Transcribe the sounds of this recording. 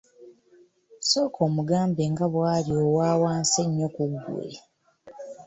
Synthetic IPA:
so̞ːkʰo̞ːmuɡaːmbeŋɡaβwaːljoːwaːwaːnseɲːo̞kuɡːṵḛ

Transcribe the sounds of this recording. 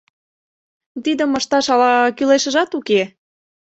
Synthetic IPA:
t̪id̪əməʃt̪ɑʃɑlɑkyleʃə̆ʒɑt̪uke

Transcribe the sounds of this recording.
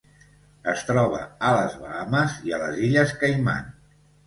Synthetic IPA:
əst̪ɾɔβ̞ə̰ələzβaaməziələziʎəskəjma̰n

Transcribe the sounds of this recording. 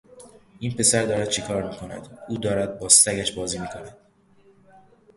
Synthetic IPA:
ʔiːnpʰe̞sæɾd̪ɒːɾæd̪̚t͡ʃʰekʰɒːɾmiːkʰo̞næ̰d̪uːd̪ɒːɾæd̪̚bɒːsæɡæʃbɒːziːmiːkʰo̞næd̪̥̚

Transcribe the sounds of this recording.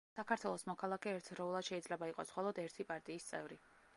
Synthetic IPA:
sakʰaɾt̪ʰwɛlˠɔsmɔkʰalˠakʰɛɛɾt̪ʰɾɔulˠad̪ʃɛid̪zlɛbaiqʼɔsχɔlˠɔd̪ɛɾt̪ʰipʼaɾt̪ʼiːst̪sʼɛ̰vɾi

